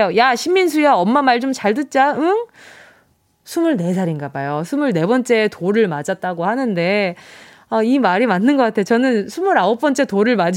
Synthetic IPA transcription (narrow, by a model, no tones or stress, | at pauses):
ojaɕʰimːins̬ʰuiaʌmːamaɭd͡ʑomt͡ɕaɭdɯt̚t͡ɕ͈aɯŋ | sʰumɯɭne̞sʰaɾinɡabajosʰumɯɭne̞bʌnt͡ɕ͈e̞toɾɯɭmad͡ʑat̚t͈aɡohanɯnde̞ | aimaɾimanːɯnɡʌk͈atʰejot͡ɕʌnɯnsʰumuɾaop͈ʌnt͡ɕ͈e̞toɾɯɭmad͡ʑ